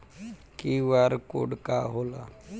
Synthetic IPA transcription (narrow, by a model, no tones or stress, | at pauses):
kiʋaɾko̰ɽkaɦoːla̰